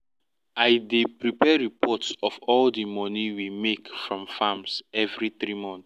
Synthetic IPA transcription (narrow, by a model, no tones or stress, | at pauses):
ajdepɹipɛɹipʰɔtsɔfɔldimɔniwimekfɹɔ̃mfamsɛvɹiθɹimɔ̃nθ